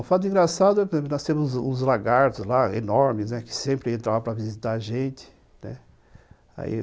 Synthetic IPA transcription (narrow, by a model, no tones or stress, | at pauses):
ʊfat̪d̪ʊĩɡɾasad̪ʊɛpẽpnɔst̪ẽmʊzṵ̃zlaɡaɾt̪ʊzlaḛnɔɾmɪznɛkɪ̥sẽmpɾɪẽnt̪ɾavɐ̃pɾɐvizit̪aaʒẽnt͡ʃ̪ɪ̥ | nɛ̰ | a̰ḭ